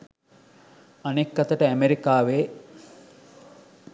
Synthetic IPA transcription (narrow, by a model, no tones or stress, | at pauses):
ɐnekːɐt̪əʈəæmeɾikaːʋeː